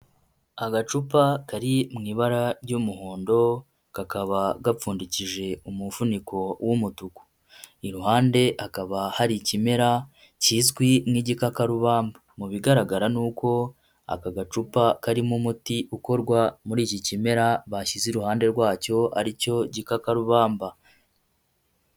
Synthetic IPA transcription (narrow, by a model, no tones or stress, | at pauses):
aɡat͡ʃupakaɾimŋiːβaɾaɾɟumuɦoːndo̞ | kakaβaɡap͡fuːndiciʒe̞umufuniko̞wʔumutuku̥ | iɾuhaːnde̞ʔakaβahaɾicime̞ɾa | ciːzɡwimŋiːɟikakaɾuβaːmbamuβiɡaɾaɡaɾanuːko̞ | a̰kaɡat͡ʃupakaɾimumutiʔuko̞ɾɡwamuɾiːcicime̞ɾaβaçiziɾuhaːnde̞ɾɡwaːco̞a̰ɾico̞ɟikakaɾuβaːmba